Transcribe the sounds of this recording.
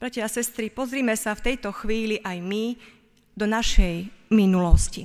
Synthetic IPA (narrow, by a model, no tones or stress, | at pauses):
b̥ɾacɛasɛst̪ɾipɔzɾiːmɛsaft̪ɛjt̪ɔxʋiːliʔajmi | d̪ɔnaʃɛjminulɔsci